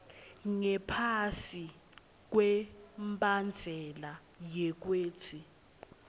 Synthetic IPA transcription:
ŋɛpʰasi | k̬wɛmbʱʼand͡ɮʱɛla | jɛk̬weːtʰi

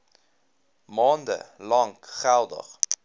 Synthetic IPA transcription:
mɑːndə̰lɐŋkχælˠdə̰χ

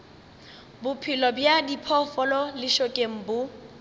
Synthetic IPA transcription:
bʊpʰɪlɔbjadipʰɔfɔlɔlɪʃɔkʼeŋ̩bʊ

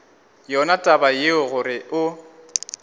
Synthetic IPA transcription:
jɔnatʼabajeʊɣʊɾɪʊ

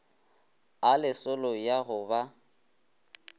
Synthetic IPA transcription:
alɪsʊlɔjaɣʊba

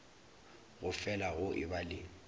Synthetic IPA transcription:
ɣʊfɛlaɣʊʔɪβalɪː

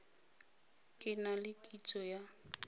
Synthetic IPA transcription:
kʼɪnalɪkʼit͡sʼɔja

